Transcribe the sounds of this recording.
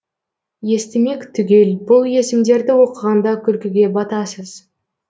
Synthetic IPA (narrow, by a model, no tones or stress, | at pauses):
je̞st̪ɪme̞kʲt̪ʰʏɡʲe̞lbʊlˠje̞sɪmd̪e̞ɾd̪ɪwo̞qəʁɑnd̪ɑkʲʰʏlkʲɪɡʲe̞bɑt̪ɑsəz̥